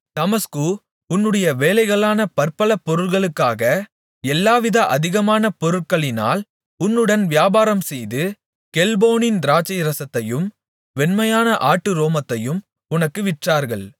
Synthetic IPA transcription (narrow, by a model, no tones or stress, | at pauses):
t̪ɐmɐsku | ʊnːɯɽɐjɐʋeːlɐɪɣɐɭaːnɐpɐɾpɐlɐpːɔɾɯɭɣɐɭɯkːaːɣɐ | ɛlːaːʋɪðɐʔɐðɪɣɐmaːnɐpɔɾɯʈ̚kɐɭɪna̰ːl | ʊnːɯɽɐnʋɪjaːbaːɾɐmsɛjðɯ | kɛlboːnɪnd̪ɪɾaːt͡ʃːɐjɪɾɐsɐt̪ːɐjɯm | ʋɛnmɐjaːnɐʔaːʈːɯɾoːmɐt̪ːɐjɯm | ʊnɐkːɯʋɪʈraːɾɣɐɭ